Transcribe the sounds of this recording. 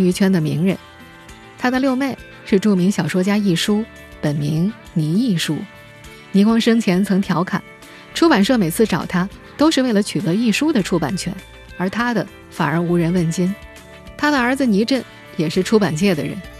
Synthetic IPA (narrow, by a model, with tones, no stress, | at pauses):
y˧˥t͡ɕʰɥɛ˥nd̪ə˨mḭ˧˥ŋɻə̰˧˥n | t̪ʰa˥d̪ə˧ljo˥˧ʊme˥˩ɪ | ʂɻ̩˥˧ʈ͡ʂu˥˩mi˧˥ŋɕjɑ˨˩ʊʂwɔ˥t͡ɕja˥i˥˩ʂu˥ | pə˨˩nmi˧˥ŋ | ni˧˥i˥˩ʂu˥ | ni˧˥kwɑ˥ŋʂɤ˥ŋt͡ɕʰjɛ˧˥nt͡sʰɤ˧˥ŋt̪ʰjɑ˧˥ʊkʰa̰˨˩˦n | ʈ͡ʂʰu˥pa˨˩nʂɤ˥˩me˨˩ɪt͡sʰɹ̩˥˩ʈ͡ʂɑ˨˩ʊt̪ʰa˥t̪o˥ʊʂɻ̩˥˧we˥˩ɪlə˧t͡ɕʰy˨˩t̪ɤ˧˥i˥˩ʂu˥d̪ə˨ʈ͡ʂʰu˥pa̰˨˩nt͡ɕʰɥɛ̰˧˥n | ə˞˧˥t̪ʰa˥d̪ə˨ | fa˨˩nə˞˧˥u˧˥ɻə˧˥nwə˥˩nt͡ɕi˥n | t̪ʰa˥d̪ə˨ə˞˧˥d͡zɹ̩˧ni˧˥ʈ͡ʂə˥˩n | jɛ˨˩ʂɻ̩˥˩ʈ͡ʂʰu˥pa˨˩nt͡ɕjɛ˥˩d̪ə̰˩ɻə̰˧˥n